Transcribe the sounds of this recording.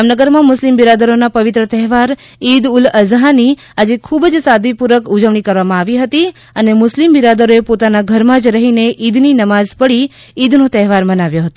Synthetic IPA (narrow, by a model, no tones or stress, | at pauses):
amnəɡəɾmãmʊslimbiɾad̪əɾonapəʋit̪ɾət̪ɛɦʋaɾ | id̪ʊləzɦani | ad͡ʒekʰubd͡ʒsad̪ʱʋipuɾʋəkud͡ʒəʋɳ̃ikəɾʋamãaʋiɦət̪i | ənemʊslimbiɾad̪əɾoepot̪anaɡʱəɾmãd͡ʒɾəɦineʔid̪ninəmazpəɽi | id̪ʱnot̪ɛɦʋaɾmənaʋjoɦət̪o